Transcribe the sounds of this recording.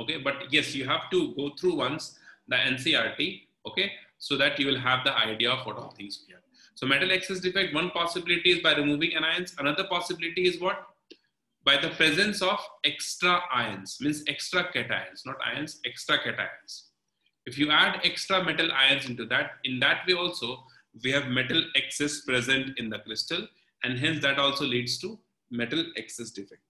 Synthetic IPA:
oːkebʌʈjɛsjuːɦæʋʈuɡoːt̪ʰɾuːʋʌ̃nsd̪əʔɛ̃nsiaːɾʈi | oːkesoːd̪æʈjuːʋɪlɦæʋd̪əʔaɪɖiaɔfɔ̰ːʈɔ̰lt̪ʰɪ̃ŋzʋiəɾ | soːmɛʈəlekses̬ɖɪfaɪkʈʋʌ̃npɔːsɪbɪlɪʈiɪzbaɪɾɪmuːʋɪ̃ŋɛ̃naɪə̃nsənʌd̪əɾpɔːsɪbɪlɪʈiɪzʋɔʈ̚ | baɪd̪əpɾɛzə̃nsɔːʋeksʈɾaʔaɪə̃nsmĩːnseksʈɾakɛʈa̰ɪə̃nsnɔːʈa̰ɪə̃nseksʈɾakɛʈa̰ɪə̃ns | ɪfjuæɖeksʈɾamɛʈəlʔa̰ɪə̃nsɪ̃ɳʈud̪æʈ̚ɪ̃nd̪æʈʋeːɔːlsoː | ʋiːɦæʋmɛʈəleksɛspɾɛzə̃ɳʈɪ̃nd̪əkɾɪsʈəl | ʔɛ̃ɳɖɦɛ̃nsd̪æʈɔːlsoliːɖzʈu | mɛʈəlɛksɛsɖɪfɛk̚ʈ

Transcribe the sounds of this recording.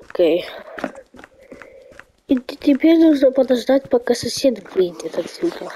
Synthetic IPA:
okʲej | itʲt̪ʲɪpʲeɾʲnuʐnəpɐd̪ɐʐd̪atʲpɐkasɐsʲed̪blʲinʲɛt̪ɐk̪sʲut̪ə

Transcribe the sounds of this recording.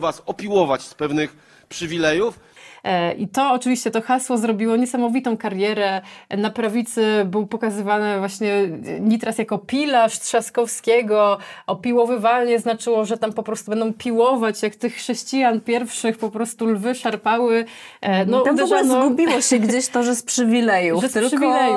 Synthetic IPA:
vasɔpʲiwɔvat͡ɕspɛvnɘx | pʂɘvʲilɛjuf | ʔḭt̪ɔːt͡ʂɨvʲiɕt͡ɕɛt̪ɔxaswɔzɾɔbʲiwɔɲɛsamɔvʲit̪ɔ̃w̃kaɾjɛɾɛnapɾavʲit̪sɘbɘwpɔkazɘvanɘvwaɕɲɛɲit̪ɾasjakɔpʲilaʂt̪ʂaskɔfskʲɛɡɔʔɔpʲiwɔvɘvalɲɛznat͡ʂɘwɔʐɛt̪ampɔpɾɔst̪ubɛnd̪ɔ̃w̃pʲiwɔvat͡ɕjakt̪ɘxːʂɛɕt͡ɕijanpʲjɛɾfʂɘxpɔpɾɔst̪ulvɘʂaɾpawɘnɔd̪ɛɔɡlɛnɔɡubʲiwɔɕɛɡd͡ʑeɕt̪ɔʐɛspʂɘvʲilɛjuʐɛʂvilɛj

